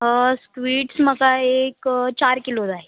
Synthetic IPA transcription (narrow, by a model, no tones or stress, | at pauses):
ɦəskʋiːʈsməkaeːkt͡ʃaːɾkɪlod̪ae